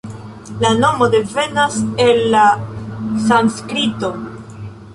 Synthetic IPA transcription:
lano̞mo̞de̞ve̞nase̞lːa | sanskɾito̞

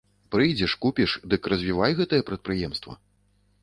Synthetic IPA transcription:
pɾɨjd͡zʲɛʂkupʲiʂd̪ɨkrɐzʲvʲivajɣɛt̪ɐjɛpɾɐt̪̚pɾɨjɛmst̪vɐ̰

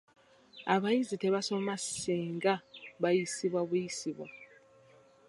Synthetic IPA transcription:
aβajiziteβaso̞maseŋɡaβajisiβwaβujisiβwa

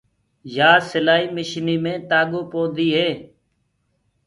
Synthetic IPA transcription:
jaːsɪlaːiːmɪʃniːmẽːt̪aːɠoːpoːd̪iːɦeː

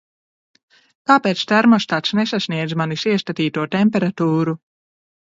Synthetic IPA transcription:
k̪aːpeːt̪st̪ɛɾmɔst̪at̪snesasniɛd̪zmanisiɛst̪at̪iːt̪uɔt̪empɛɾat̪uːɾu

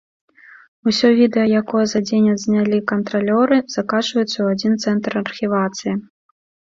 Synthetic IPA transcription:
usʲɔvʲid̪ɛjɐjakɔjɐzad͡zʲenʲɐzʲnʲalʲikɐnt̪ɾalʲɔɾɨz̥akat͡ʃvɐjut̪sːɐwad͡zʲint̪sɛnt̪rɐrxʲivat̪sɨji

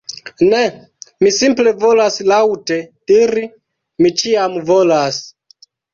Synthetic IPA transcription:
nɛ | misimplevolaslawtediɾi | mit͡ʃiamvolas

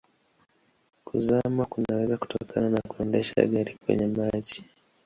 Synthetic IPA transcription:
kʰuzamakunawɛzaku̥tɔkʰananakuɛndɛʃa̰ɠaɾikwɛ̰ɲɛmat͡ʃi̥

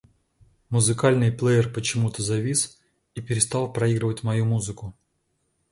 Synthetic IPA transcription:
mʊzɨkalʲnɨjplˠejɪrpət͡ɕɪmut̪əzɐvʲis | ipʲɪɾʲɪst̪ɑlˠpɾɐiɡɾɨvətʲmɐjumuzɨkʊ

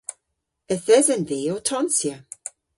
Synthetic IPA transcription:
əθəzənðiːotʰɔnsjə

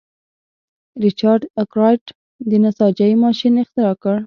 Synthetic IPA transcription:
ɾɪt͡ʃɑɾɖakɾɑjʈ | d̪ənasɑd͡ʒaimɑʃinɪxt̪ɪɾɑkəɽ

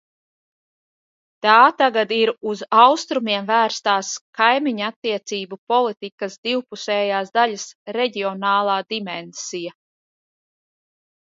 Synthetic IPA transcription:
t̪aːt̪aɡad̪iɾuzawst̪ɾumiɛmvæːɾst̪aːskajmiɲat̪ːiɛt̪siːbupɔlˠit̪ikasd̪iwpusɛːjaːsd̪alʲasɾɛɟiɔnaːlˠɑːd̪imɛnsija

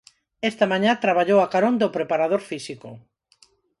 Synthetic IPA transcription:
est̪ɐmãɲãt̪ɾaβaʎowakaɾõnd̪opɾepaɾaðoɾfisikʊ̰

